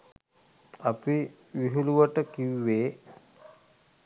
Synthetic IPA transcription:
api | ʋiɦuluʋəʈəkiwːeː

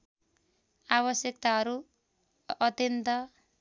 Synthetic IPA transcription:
aβʌsjʌkt̪aɦʌɾu | ʌt̪jʌnt̪ʌ

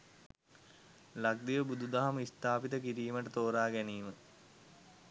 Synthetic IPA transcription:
lak̚d̪iʋəbud̪ud̪aɦamist̪aːpit̪əkiɾiːməʈət̪oːɾaːɡæniːmə

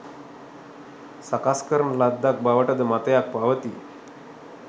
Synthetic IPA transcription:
sakaskəɾəɳlad̪ːak̚baʋəʈəd̪əmat̪jak̚paʋət̪ḭː

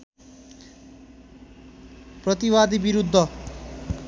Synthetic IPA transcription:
prʌt̪iwad̪ibiɾud̪ʱːʌ

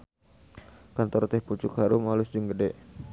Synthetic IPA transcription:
kant̪ɔrt̪ɛhput͡ʃʊkhaɾʊmalʊsd͡ʒuŋɡədɛʔ

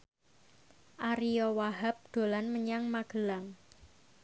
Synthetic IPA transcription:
ʔaɾiɔwaɦap̚ɖ̪̥o̤lanməɲaŋmaɡ̥ə̤laŋ

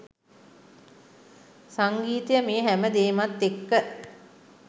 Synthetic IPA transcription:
saŋɡiːt̪ijəmeːɦæməd̪eːmat̪ːekːə

